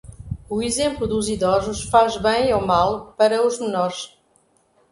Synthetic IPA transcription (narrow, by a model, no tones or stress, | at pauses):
uizẽmplˠuðuziðɔzuʃfaʒβɐ̃j̃omalˠpɐɾɐuʒmɨnɔɾʃ